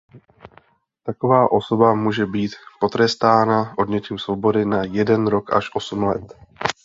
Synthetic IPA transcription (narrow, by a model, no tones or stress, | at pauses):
t̪ako̞vaːʔo̞so̞bamuːʒɛbiːt̪po̞t̪ɾɛst̪aːnaʔo̞dɲɛcɛmsvobo̞dɪnajɛdɛnɾo̞kʔa̰ʃʔo̞sumlɛ̰t̪